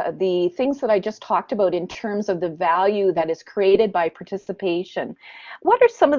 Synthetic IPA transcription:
ðɨθɪ̃ŋzðəɾaɪd͡ʒʌstʰɔk̚tɨbaʊɾɨ̃ntʰɜ̃˞mzʌvðɨvælˠjʉðɨɾɨz̥kʰɹ̥ieɪɾɨd̚baɪpʰɑɹtʰɪsɨpʰeɪʃɨ̃nwʌɾə˞sʌ̃mʌv

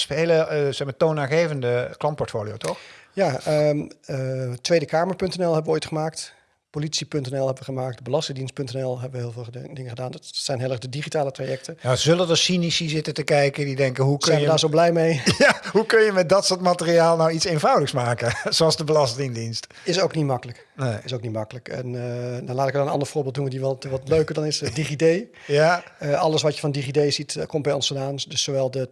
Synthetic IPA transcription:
spejləsɛxmatownaːχejvəndəklɑnt̚pɔɹtfoːlijowtɔxjaəətʋejdəkaːməɹpɵntɛnɛlˠɦɛbəʋəoːjtχəmaːkt | politsipɵntɛnɛlˠɦɛbəʋəχəmaːk̚tbəlɑstɪŋdinst̚pɵntɛnɛlˠɦɛbəʋəɦɪːlˠvɪːlˠdɪŋəχədaːnsɛjnɦɪlˠɛχdədiχitaːlətrajɛk̚tənazɵlədəsinisizɪtəntəkɛjkədidɛŋkəɦukɛjədaːɹzowblɛjmejjahukønjəmɛt̚dɔtsoːtmatəriaːlˠnawitseːnvawdləksmaːkəzoɑlˠzdəbəlɑstɪŋdinst | ɪsowknitmɑkələk | neɪsowk̚nitmɑkələkɛ̰ndalaːtɪkəɔnənɑ̰ndəɹfʊːɹbɪːlˠdunəndiʋɔtʋɔtløɥkərdɔnɪsdiχidejjaəɑlˠəsʋɔtjəfɔndiχidejsitkɔmbɛjɔ̃nstədaːndɵsoʋɛlˠdə

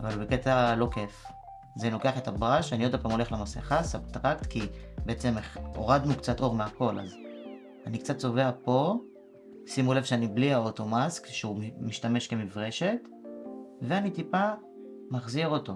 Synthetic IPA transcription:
avalbeke̞t̪alo̞kef | zelo̞ke̞aχe̞tabʁaʃaniod̪apaːmolelemasḛχasabt̪ʁakt̪kibeet͡se̞meχo̞̰ʁad̪nukt͡sato̞ʁmeako̞la̰z | anikt͡satso̞ve̞apo̞ | simulevʃeanibliaoto̞maskʃeumiʃtame̞ʃke̞mifʁe̞ʃe̞t̪ | veanitipa | maχziʁo̞to̞

